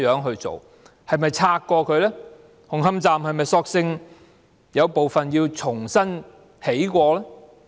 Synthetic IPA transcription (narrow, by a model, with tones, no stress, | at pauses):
jœː˨˥ŋɦɵ˧ɥt͡so̰˨w | hɐ˨jmɐ˨jt͡sʰaː˧kːɔː˧kʰɵ˨˧ɥlɛː˥ | hʊ˨˩ŋɦɐ˥mt͡saː˨˩mhɐ˨jmɐ˨jsɔː˧k̚sɪ˧ŋ | jɐ˨˧wpo˨wfɐ˨njiː˧wt͡sʰʊ˨˩ŋsɐ˥n | he˨˥jkʷɔː˧lɛː˥